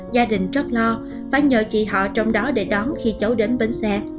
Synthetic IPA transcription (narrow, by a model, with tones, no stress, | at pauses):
zaː˧ɗï˨˩ŋ̟zə˦˥t̚lɔ˧ | faː˧˩jɲə̰ː˧˨t͡ɕḭ˧˨ɦɔ̰˧˨t͡ɕɔ˧wŋ͡mɗɔ˨˦ɗe˧˩ɗɔ˨˦nxi˧t͡ɕə˨˦wɗe˨˦nɓe˧nsɛ˧